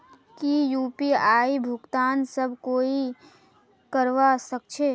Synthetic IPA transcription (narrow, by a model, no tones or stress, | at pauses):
kijuːpiaːibʱʊɡt̪aːnsəbʱkoːi | kəɾʋasək̚t͡ʃʰeː